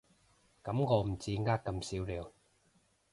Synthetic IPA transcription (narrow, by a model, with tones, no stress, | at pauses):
kɐ˨˧˦mŋɔː˨˧m̩˨˩t͡siː˧ŋaː˥kkːɐ˧msiː˨˥wliː˨˧w